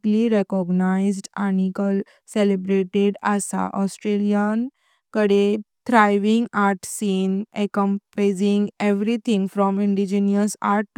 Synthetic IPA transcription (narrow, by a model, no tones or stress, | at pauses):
liɾekɔɡnaɪzɖanikəl | selebɾeʈeɖasa̰ʔɔsʈɾelijan | kəɽed̪̥ɾajʋĩŋɡaɾʈsĩːnekəmpɾezĩŋɡeʋɾit̪ʰĩŋɡfɾɔmĩɳɖid͡ʒinjəsa̰ɾʈː